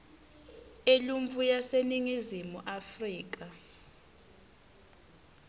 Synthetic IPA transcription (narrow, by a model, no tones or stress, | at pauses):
eluɱvujaseniŋizimuʔafriːk̬ʼa